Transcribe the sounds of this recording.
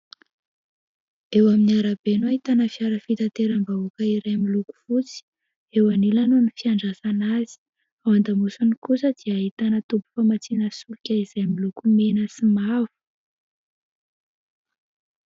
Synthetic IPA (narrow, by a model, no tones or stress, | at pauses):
ewaminiaɾabenuaɦit̪anəfiaɾəfit̪at̪eɾambaukəiɾajmiluku̥fut͡si̥ | ewanilanonifiaɳɖ͡ʐasanazi̥ | awand̪amusunikusəd̪̥iaɦit̪anət̪ubu̥famat͡sinəsulukʲaiz̥ajmilukumenəsimavu̥